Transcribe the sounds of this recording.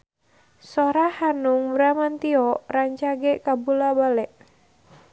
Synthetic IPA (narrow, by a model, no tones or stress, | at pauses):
soɾahanuŋbɾamant̪iɔraɲt͡ʃaɡɛkabulabalɛʔ